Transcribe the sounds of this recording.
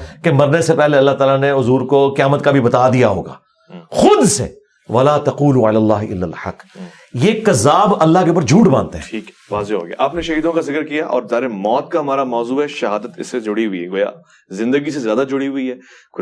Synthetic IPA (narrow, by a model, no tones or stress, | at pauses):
kemɐɾnesepɛɦleɐlːaɦt̪aːlaneʊzuːɾkokjaːmət̪kabʱibɐt̪ad̪ijaɦo̰ːɡa̰ː | xʊd̪sḛ | ʋɐlaːt̪ɐquːluɐlaːlːaːɦʔɪ̰lːa̰lħɐ̰qː | jekɐzaːbɐlːaɦkeupəɾd͡ʒʱuːʈbãːnt̪eɦɛ̰̃ːiːk | ʋaːzeɦo̰ːɡj̰a̰ʔaːpneʃɐɦiːd̪õkazɪkəɾkijaʔɔ̰ːɾzaːɾemɔːt̪̚kaɦɐmaːɾamɔːzuːɦɛʃɐɦaːd̪ət̪ɪ̰sːed͡ʒʊɽiɦʊḭɦɛɡoːja̰ | zɪ̃nd̪əɡisezjaːd̪ad͡ʒʊɽiɦʊiɦɛː